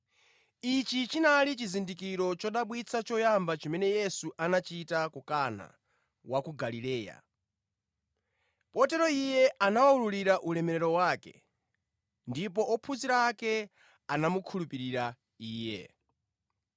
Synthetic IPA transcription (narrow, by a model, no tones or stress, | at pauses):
it͡ʃit͡ʃinalit͡ʃizindikiɾɔt͡ʃɔɗaɓwit͡sʰat͡ʃɔjambat͡ʃimɛnɛjɛsuʔanat͡ʃitakukana̰ | wakuɡalilɛːja̰ | pɔtɛɾɔijɛʔanawaululiɾaʔulɛmɛɾɛɾɔwaːkɛ̰ | ndip̬ɔʔɔpʰuziɾaːkɛ | anamukʰulupiɾiɾa | iːjɛ̰